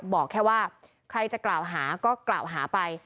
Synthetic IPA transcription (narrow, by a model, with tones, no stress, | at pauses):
bɔː˨˩kʰːɛː˥˩waː˥˩ | kʰɾa˧jt͡ɕa˨˩klaː˨˩wɦaː˩˦kɔː˥˩kla̰ː˨˩wɦaː˩˦pa˧j